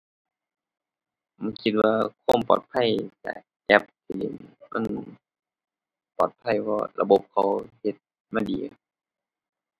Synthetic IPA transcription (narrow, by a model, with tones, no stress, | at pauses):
ma˧˥˨nkʰi˧t̪̚waː˧kʰoː˧˥˨mpɔː˨˩t̪̚pʰa˧˥˨jt͡ɕa̰˧˨˩ | kɛ˧˥p̚t̪ʰi˧˨lḛ˨˦nma̰˧˥˨n | pɔː˨˩t̪̚pʰa˧˩˨jwɔː˧˩la̰˧bo˧˦p̚kʰa˧whe˧˦t̪̚ | maː˧˨dḭː˨